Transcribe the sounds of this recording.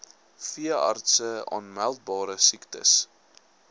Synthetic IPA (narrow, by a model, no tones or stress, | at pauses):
fiəɑ̰rtsəɑ̰ːnmælˠt̚bɑːɾəsiktə̰s